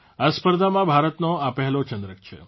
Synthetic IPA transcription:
aspəɾd̪ʱamãbʱaɾət̪noapɛɦlot͡ʃənd̪ɾək̚t͡ʃʰḛ

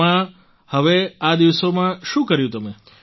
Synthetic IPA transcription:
ã | həʋead̪iʋsomãʃũkəɾjũt̪əme

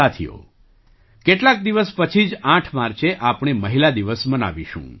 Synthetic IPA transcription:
at̪ʰijo̰ | keʈlak̚d̪iʋəspət͡ʃʰid͡ʒãʈʰmaɾt͡ʃeʔapɳ̃eməɦilad̪iʋəsməna̰ʋiʃṵ̃

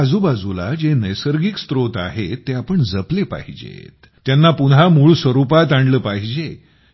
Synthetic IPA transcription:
ad͡zubad͡zula̰d͡ʑenəjsəɾɡikst̪ɾot̪a̰ɦet̪ːeapəɳd͡zəplepa̰ɦid͡ʑḛt̪ | t̪ːjanːapunɦamuɭsʋəɾupat̪aɳɖləːpaɦid͡ʑe

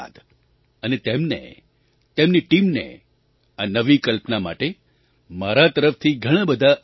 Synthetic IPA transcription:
d̪ | ənet̪emnḛ | t̪emniʈimnḛ | anəʋikəlpnama̰ʈe | maɾat̪əɾəft̪ʰiɡʱəɽ̃ãbəd̪ʱa

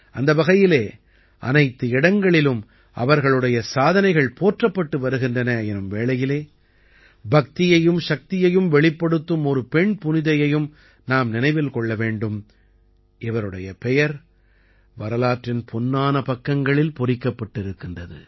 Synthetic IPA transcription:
ʔɐnd̪ɐʋɐɣɐjɪleː | ʔɐ̰nɐɪt̪ːɯɪɽɐŋɡɐɭɪlɯm | ɐ̰ʋɐɾɣɐɭɯɽɐjɐsaːðɐnɐɪɣɐɭpoːʈrɐpːɐʈːɯʋɐɾɯɣɪndrɐnɐjɛnɯmʋeːɭɐjɪleː | bɐk̚t̪ɪjɐjɯmʂɐk̚t̪ɪjɐjɯmʋɛɭɪpːɐɽɯt̪ːɯmɔɾɯpɛɳpʊnɪðɐjɐjɯm | naːmnɪnɐɪʋɪlkɔɭːɐʋeːɳɖɯm | ɪʋɐɾɯɽɐjɐpɛjɐɾ | ʋɐɾɐlaːʈrɪnpʰɔnːaːnɐpɐkːɐŋɡɐɭɪlpʊrɪkːɐpːɐʈːɪɾɯkːɯndɐðɯ̰

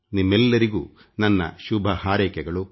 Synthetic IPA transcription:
nimːɛlːɐɾiɡṵː | nɐnːɐ̰ʃubʱɐhaːɾɛːkɛɡɐɭu

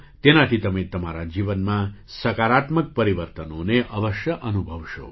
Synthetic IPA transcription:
t̪enat̪ʰit̪əmet̪əmaɾad͡ʒiʋənmã | səkaɾat̪mək̚pəɾiʋəɾt̪ənoneʔəʋəʃjəʔənubʱəʋʃo̰

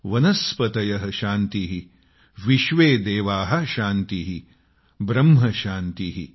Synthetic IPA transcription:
ʋɐnɐspɐt̪ɐjɐɦɐʃaːnt̪iɦi | ʋiʃʋeːd̪eːʋaːɦɐ̆ʃaːnt̪iɦi | bɾɐmɦɐʃaːnt̪iɦḭ

